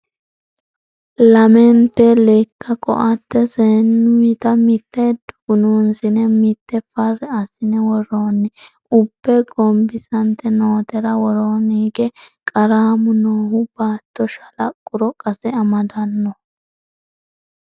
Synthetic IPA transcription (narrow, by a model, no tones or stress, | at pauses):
lɐmɛnt̪ɛleːkːɐkʼɔ̰ʔɐt̪ːɛsenːʊɪt̪ɐmɪt̪ːɛd̪ʊɡʊnuːnsɪnɛmɪt̪ːɛfɐrːɛɐsɪnɛwɔɾoːnːɪ | ʊbːɛɡɔmbɪsɐnt̪ːɛnoːt̪ɛɾɐwɔɾoːniːɡɛkʼɐɾaːmʊnoːhʊbaːt̪ːɔʃɐlɐkʼːʊɾɔkʼɐsɛɐmɐd̪ɐnːɔ